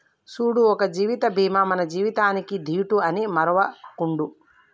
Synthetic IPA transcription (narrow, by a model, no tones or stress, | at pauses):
suːɽuɔkɐd͡ʒiːʋit̪ɐbʱiːmɐmɐnɐd͡ʒiːʋit̪aːnikid̪ʱiːʈuɐnimɐɾɐʋɐkuɳɖu